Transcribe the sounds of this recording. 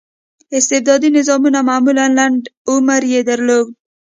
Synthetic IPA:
ɪst̪ɪbd̪ɑd̪inɪzɑmunamamulanlaɳɖʊmaɾjed̪aɾloɡ

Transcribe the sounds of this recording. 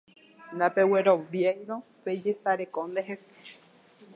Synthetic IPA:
nd̪apeweɾoβjajɾoped͡ʒesaɾekond̪eɦese̥

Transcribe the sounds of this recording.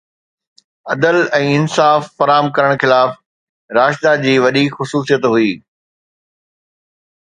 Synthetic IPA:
ɐd̪əlɛ̃ːɪnsaːfːɐɾaːəmkɐɾəɽ̃xɪlaːf | ɾaːʃd̪ad͡ʑiːʋɐɗixʊsuːsijət̪ɦʊiː

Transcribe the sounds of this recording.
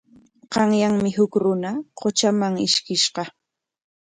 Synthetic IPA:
ɢɑŋjaŋmɪhʊkɾʊnaqot͡ʃamaŋɪʃkɪʃɢɑ

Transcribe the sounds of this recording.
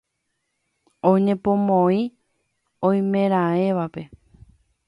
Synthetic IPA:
õɲẽpõmõĩ | õj̃mẽɾ̃ãẽʋape̞

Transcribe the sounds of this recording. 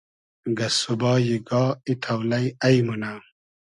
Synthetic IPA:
ɡɐsubaːjiɡaːit̪ʰawlɐjɐjmuna

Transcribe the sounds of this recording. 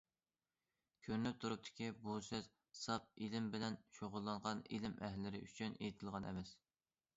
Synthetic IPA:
kʲʰøɾnyp̚t̪ʰuɾup̚t̪ʰɪ̥kʲʰibusɨz | sɑp̚ilɪmbɪlɛnʃoʁʊlˠːɑɴʁɑnḭlɪmɛɦlɪɾɪʔyt͡ʃʰynejt̪ʰɪlˠʁɑnʔɛ̰mɛs

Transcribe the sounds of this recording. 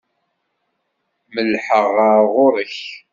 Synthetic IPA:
məlħəʁəɾʁʊɾəç

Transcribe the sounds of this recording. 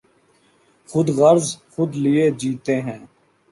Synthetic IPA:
xʊd̪ɣəɾzxʊd̪lɪeːd͡ʒiːt̪eːɦɛ̃ː

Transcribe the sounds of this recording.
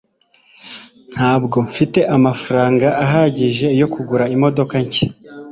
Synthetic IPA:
n̥haːbɡo̞ɱfite̞ʔamafaɾaːŋɡaʔːɦaɟiʒe̞jo̞kuɡuɾaimo̞do̞kaɲce

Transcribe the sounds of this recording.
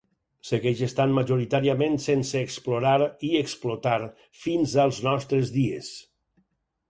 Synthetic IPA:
seɣɛʒest̪anmaʒuɾit̪aɾiəmensenseːksploɾaɾieksplot̪aɾ | finzəlˠznɔst̪ɾəzðiḛs

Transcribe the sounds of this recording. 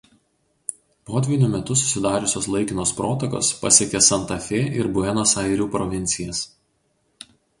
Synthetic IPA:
poːd̪ʲʋʲɪnʲʊmʲɛt̪ʊs̬ʊ̥sʲɪd̪ɑːɾʲʊsʲoːslˠɐɪkʲɪnoːspɾoːt̪ɐko̰ːspɐ̰sʲiɛkʲesɐnt̪ɐfʲeːʔɪɾbʊɛnoːsɐɪɾʲuːpɾɔʋʲɪnʲt̪sʲɪjɛs

